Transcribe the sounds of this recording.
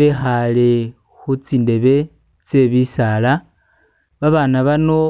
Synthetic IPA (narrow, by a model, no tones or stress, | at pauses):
exale | xut͡siːnde̞βe̞ | t͡se̞βisala | βaβanaβano̞